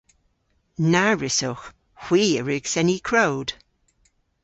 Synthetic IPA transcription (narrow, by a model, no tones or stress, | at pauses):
naɹɪsox | hw̥iːəɹɪɡ̥sɛnikʰɹowd̥